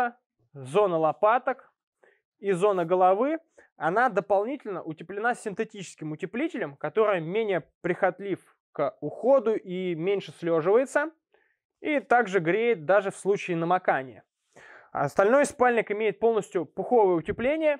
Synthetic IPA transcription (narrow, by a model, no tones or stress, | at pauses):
ə | zo̞nəlˠɐpat̪ək | izo̞nəɡəlˠɐvɨ | ɐnad̪əpɐlˠnʲitʲɪlʲnəʔʊtʲɪplʲɪnasʲːɪnt̪ɨtʲit͡ɕɪ̥skʲɪmʊtʲɪplʲitʲɪlʲəmkɐt̪o̞ɾɨjəmʲenʲɪjəpɾʲɪxɐt̪lʲif | kəʊxod̪ʊʔimʲenʲʂɨslʲoʐɨvəjɪt̪sə | it̪aɡʐɨɡɾʲejɪt̪̚d̪aʐɨfslˠut͡ɕɪːnəmɐkanʲɪjə̰ | ɐ̰st̪ɐlʲno̞jspalʲnʲɪkɪmʲejɪt̪̚po̞lˠnəsʲtʲjʊpʊxo̞vəjəʊtʲɪplʲenʲɪjə